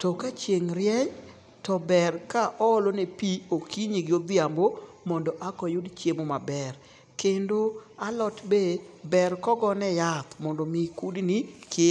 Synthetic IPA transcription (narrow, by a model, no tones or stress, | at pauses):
tɔkat͡ʃjeŋɾjɛɲ | tɔbɛrkaʔɔlonepiokiɲiɡɪod̪ɪambo | mɔndɔʔakɔjudt͡ʃemomabɛɾ | kendoalɔtbebɛɾkɔɡɔnɛjat̪mɔndɔmikudnikʰɪ